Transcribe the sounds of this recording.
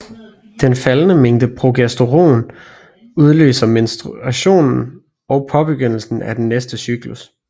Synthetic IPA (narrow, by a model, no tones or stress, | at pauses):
d̥enfælnəmeŋ̰d̥əpʰʁo̝ɡ̥æsd̥o̝ʁo̝̰ːn | uð̞ˠlø̰ːsɐme̝nsd̥ʁuæɕo̝̰ːnn̩ | ɒ̽ʊpʰɒ̽b̥eɡ̥øn̰l̩sn̩æd̥enːesd̥əsyɡ̥lus